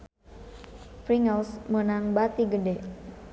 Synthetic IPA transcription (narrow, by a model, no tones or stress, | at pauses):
fɾiŋəlsmənaŋbat̪iɡəde